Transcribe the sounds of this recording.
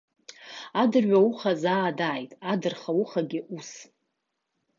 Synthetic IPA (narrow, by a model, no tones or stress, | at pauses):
adɨrɥʷauχazaːdaːjtʼadɨrχawuχaɡʲɪʔus